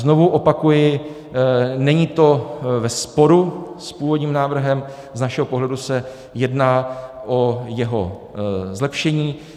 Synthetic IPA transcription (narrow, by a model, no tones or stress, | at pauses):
znovuʔo̞pakujɪ | nɛɲit̪o̞vɛspo̞ɾuspuːvo̞dɲiːmnaːvr̩ɦɛm | znaʃɛɦopo̞ɦlɛdusɛ | jɛdnaːʔo̞jɛɦo̞ | zlɛpʃɛɲiː